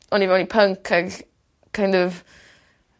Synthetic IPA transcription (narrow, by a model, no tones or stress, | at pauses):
ɔnivɛwnipʰəŋkʰəɡ | kʰãɪ̃ndɔv